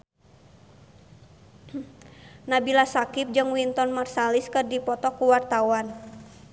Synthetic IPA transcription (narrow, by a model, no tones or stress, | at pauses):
nabilasakɪp̚d͡ʒɨŋwint̪ɔnmarsaliskɨrdipɔt̪ɔkuwart̪awan